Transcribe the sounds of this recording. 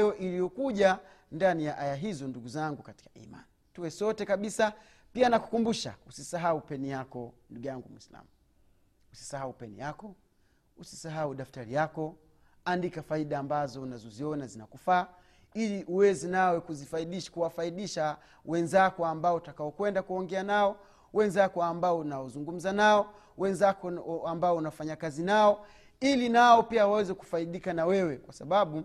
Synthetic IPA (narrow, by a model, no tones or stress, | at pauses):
jɔʔilijɔkuʄa | ndanijaʔajaɦizɔnduɡuzaŋɡukati̥kaḭma̰nituwɛsɔtɛkaɓisa | pianaku̥kumbuʃa̰usisaɦaupɛnijakɔnduɡujaŋɡumwḭsla̰m | usi̥saɦaupɛnḭjakɔ | usi̥saɦauɗaftaɾijakɔ | andikafaiɗaːmbazɔnazɔziɔnazinakufaː | iliʔuwɛzɛnawɛkuzifaiɗiʃkuwafaiɗiʃa | wɛnzakɔambaɔutakaɔkwɛndakuɔŋɡɛanaɔ | wɛnzakɔambaɔnaɔzuŋɡum̩zanaɔ | wɛnzakɔambaɔunawfaɲakazinaɔ | ilinaɔpiawawɛzɛku̥faiɗikanawɛwɛkwasaɓaɓu